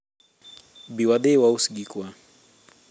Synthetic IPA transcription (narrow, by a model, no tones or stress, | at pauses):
biwad̪ɛwausiɡikwa